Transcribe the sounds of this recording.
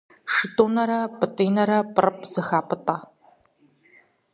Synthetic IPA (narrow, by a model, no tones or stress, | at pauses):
ʂɨtʼoːnɐɾɐpʼɨtʼiːnɐɾɐpʼɨrɨp̚ʰʼz̥ɨxaːpʼɨtʼaː